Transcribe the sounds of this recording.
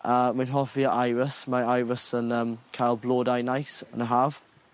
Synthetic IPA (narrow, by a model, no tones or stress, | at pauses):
əːmanɦɔfiəʔajvəsmaajvəsənəːmkʰajlˠblˠoːdajnajsə̰nəɦaːv̥